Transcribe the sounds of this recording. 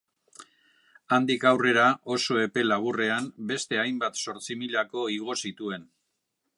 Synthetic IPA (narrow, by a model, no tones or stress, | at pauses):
and̪ikawre̞ɾao̞so̞e̞pe̞laβ̞ure̞ambe̞st̪e̞ajmbat̪so̞ɾt͡simiʎako̞iɣ̞o̞sit̪ue̞n